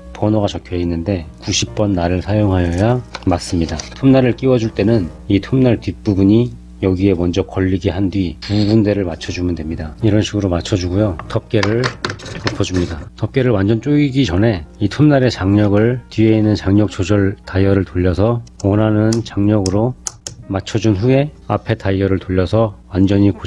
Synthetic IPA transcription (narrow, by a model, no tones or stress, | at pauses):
pʌnoɡat͡ɕʌkʰjoinːɯnde̞kuɕʰip̚p͈ʌnːaɾɯɭsʰajoŋɦajʌjamas͈ɯmɲidatʰomnaɾɯɭk͈iwʌd͡ʑuɭt͈e̞nɯn | itʰomnaɭtip͈ubuɲi | jʌɡie̞mʌnd͡ʑʌkʌʎːiɡeɦandɥipubunde̞ɾɯɭmat͡ɕʰʌd͡ʑumɯndwe̞mɲidaiɾʌnɕʰiɡɯɾomat͡ɕʰʌd͡ʑuɡujotʰʌp̚k͈e̞ɾɯɭkʌpʰʌd͡ʑumɲidatʰʌp̚k͈e̞ɾɯɭwand͡ʑʌnt͡ɕ͈oɡiɡit͡ɕʌne̞itʰomnaɾe̞t͡ɕaŋɲʌɡɯɭtɥie̞inːɯnt͡ɕaŋɲʌk̚t͡ɕ͈ʰod͡ʑʌɭtaijʌɾɯɭtoʎːʌsʰʌʌnɦanɯnt͡ɕaŋɲʌɡɯɾomat͡ɕʰʌd͡ʑunɸue̞ | apʰe̞taiʌɾɯɭtoʎːʌsʰʌwand͡ʑʌɲiko